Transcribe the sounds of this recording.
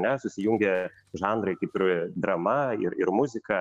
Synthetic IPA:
nʲɛsʊsʲɪjʊŋʲɡʲɛ | ʒɑːnd̪ɾɐɪkɐɪpɪɾd̪ɾɐmɐɪɾɪɾmʊzʲɪkɐ

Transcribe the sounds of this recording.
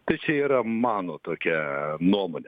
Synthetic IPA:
t̪ɐɪt͡ʃʲɛiːɾɐmɑːnoːt̪oːkʲɛnuɔmoːnʲɛ

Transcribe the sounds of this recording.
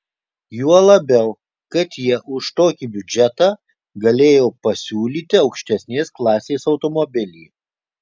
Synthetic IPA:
juɔlˠɐbʲɛʊ | kɐt̪jiɛʔʊʃt̪oːkʲiːbʲʊd͡ʒʲɛt̪ɑː | ɡɐlʲeːjoːpɐsʲuːlʲiːt̪ʲɪɒʊkʃʲt̪ʲɛsʲnʲeːsklˠɑːsʲeːsɒʊt̪ɔmɔbʲɪlʲiː

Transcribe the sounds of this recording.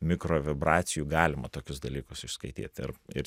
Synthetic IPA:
mʲɪkɾoːʋʲɪbɾɑːt̪sʲɪjuːɡɑːlʲɪmɐt̪oːkʲʊsd̪ɐlʲiːkʊsɪʃskɐɪt̪ʲḭːt̪ɪ̰ɾɪɾ

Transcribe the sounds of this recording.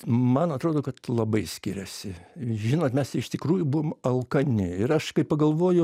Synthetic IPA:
mɐnɐt̪ɾoːd̪oːkɐt̪lˠɐbɐɪsʲkʲɪɾʲɛsʲɪʒʲɪnoːt̪mʲɛst̪ɐɪɪʃt̪ʲɪkɾuːjʊbʊʋoːmɐlˠkɐnʲɪɪɾɐʃkɐɪppɐɡɐlˠʋoːjʊ

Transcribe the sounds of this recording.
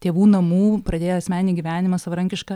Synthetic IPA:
t̪ʲeːʋuːnɐmuːpɾɐd̪ʲeːjoːɐsʲmʲæːnʲiːɡʲiʋʲæːnʲɪmɐsɐʋɐɾɐŋʲkʲɪʃkɐ

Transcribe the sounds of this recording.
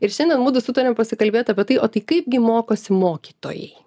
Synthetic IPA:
ɪɾʃʲɛnd̪ʲɛnmuːd̪ʊsʊt̪ɐɾʲempɐsʲɪkɐlʲbʲeːt̪ɐpʲɛt̪ɐɪʔoːt̪ɐɪkɐɪp̚ɡʲɪmoːkoːsʲɪmoːkʲiːt̪o̰ːjɛ̰ɪ

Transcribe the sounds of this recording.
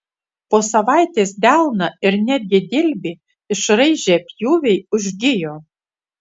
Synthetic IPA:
poːsɐʋɑˑɪt̪ʲeːsd̪ʲælˠnɐɪɾnʲæd̪ʲɡʲɪd̪ʲɪlʲbʲɪ | ɪʃɾɐɪʒʲeːpʲjuːʋʲɛɪʊʒʲɡʲɪjoː

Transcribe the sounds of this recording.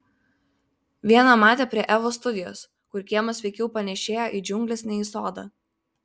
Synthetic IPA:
ʋʲiɛnɐmɑːt̪ʲeːpʲɾʲiɛʔɛʋoːs̬t̪ʊd̪ʲɪjo̰ːs | kʊɾkʲiɛmɐsʲʋʲɛɪkʲɛʊpɐnʲɛʃʲeːjoːʔiːd͡ʒʲʊŋʲɡlʲesnʲɛiːsoːd̪ɑ̰

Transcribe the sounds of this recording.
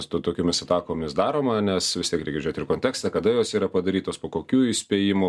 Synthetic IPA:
st̪ʊt̪oːkʲoːmʲɪsɐt̪ɑːkoːmʲɪsd̪ɑːɾoːmɐnʲɛsʋʲɪst̪ʲiɛkɾʲɛɪɡʲɛd͡ʒʲoːt̪ɪkoːntʲɛæːkst̪ɐkɐd̪ɐjoːsiːɾɐpɐd̪ɐɾʲiːt̪oːspoːkoːkʲuːɪsʲpʲeːjɪmʊ

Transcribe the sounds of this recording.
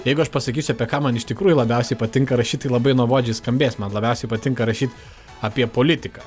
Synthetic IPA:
jɛɪɡʊɐʃpɐsɐkʲiːsʲʊɐpʲiɛkɑːmɐnɪʃt̪ʲɪkɾuːjʊlˠɐbʲɛʊsʲɛɪpɐt̪ʲɪŋkɐɾɐʃʲiːt̪̚t̪ɐɪlˠɐbɐɪnuɔʋoːd͡ʒʲɛɪskɐmʲbʲeːsmɐnlˠɐbʲɛʊsʲɛɪpɐt̪ʲɪŋkɐɾɐʃʲiːt̪ | ɐːpʲiɛpoːlʲɪt̪ʲɪkɑː

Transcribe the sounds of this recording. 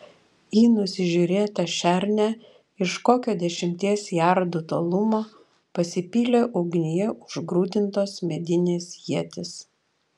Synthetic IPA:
jiːnʊsʲɪʒʲuːɾʲeːt̪ɐʃʲæɾʲnʲæ | ɪʃkoːkʲoːd̪ʲɛʃʲɪmʲt̪ʲiɛsjæˑɾd̪ʊt̪oːlˠʊmoː | pɐsʲɪpʲiːlʲeːʔɔʊɡʲnʲɪjɛʊʒɡɾuːd̪ʲɪnt̪oːsmʲɛd̪ʲɪnʲeːsjiɛt̪ʲɪs

